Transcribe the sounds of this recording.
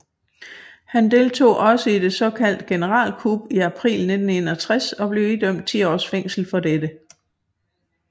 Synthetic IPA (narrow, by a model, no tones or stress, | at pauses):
hænd̥e̝ːlt͡sʰo̝̰ːʔɒ̽səid̥e̝sɒ̽kʰæl̰d̥ɡ̥e̝nəʁɑ̰̈ːlkʰub̥iæpʰʁḭːlne̝d̥n̩e̝nɐt͡sʰʁasɒ̽b̥le̝ʊid̥øm̰d̥̚t͡sʰḭːɒ̰ːsfeŋ̰sl̩fɒ̽d̥ed̥ə